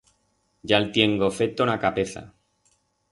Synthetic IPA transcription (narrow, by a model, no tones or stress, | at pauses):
ɟ͡ʝalt̪je̞ŋɡo̞fe̞t̪onakape̞θa̰